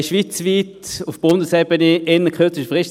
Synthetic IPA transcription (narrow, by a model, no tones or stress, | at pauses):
ʃʋiːt͡sʋiːtʊfb̥ʊndəsɛb̥əneʔɪnːəkʰχøɐt͡sɪʃəfʁɪʃ